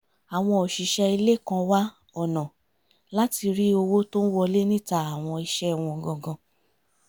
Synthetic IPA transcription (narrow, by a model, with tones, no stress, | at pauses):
a˨w̃ɔ̃˧o˨ʃi˨ʃɛ˧i˧le˦˨kã˧wa˦ | ɔ˦˨nɔ̃˨ | la˦ti˧ɾi˦o˧wo˦to˦n̩˦wɔ˧le˦nĩ˦ta˧a˨w̃ɔ̃˧i˧ʃɛ˦˨w̃ɔ̃˧˨ɡɔ̃˨ɡɔ̃˧